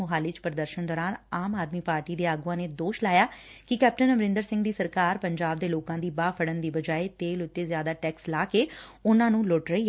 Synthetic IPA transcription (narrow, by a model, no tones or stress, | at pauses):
ʊɦaːlɪt͡ʃpəɾd̪əɾʃənd̪ɔːɾaːnaːmaːd̪miːpaːɾʈiːd̪eːaːɡuːãːneːd̪oːʃlaːjaːkɪkɛːp̚ʈənəʋɾɪ̃nd̪əɾsɪ̃ŋɡd̪iːsəɾkaːɾpəɲd͡ʒaːb̚d̪eːloːkãːd̪iːbaːpʰəɽənd̪iːbəd͡ʒaːeːt̪eːlʊt̪ːeːzjaːd̪aːʈɛːkslaːkeːʊnãːnũːlʊʈɾəiː